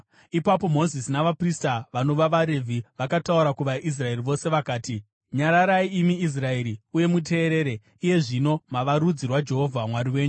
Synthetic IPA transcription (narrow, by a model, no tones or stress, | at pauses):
ipapo̞mo̞zisinaʋapristaʋano̞ʋaʋaɾe̞vʱiʋakatauɾakuʋaʔis̬rae̞riʋo̞se̞ʋakaːti | ɲaɾaɾaiimiis̬rae̞ɾiuje̞mut̬e̞ːɾe̞ːɾe̞ | ije̞ʐino̞maʋaɾud͡zirwad͡ʒe̞ɦo̞vʱamwaɾiwe̞ːɲu